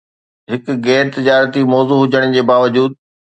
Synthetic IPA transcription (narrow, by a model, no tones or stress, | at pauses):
ɦɪkɣɛːɾt̪ɪd͡ʑaːɾət̪imɔːzuːɦʊd͡ʑəɽ̃̆d͡ʑeːbaːʋəd͡ʑuːd̪̚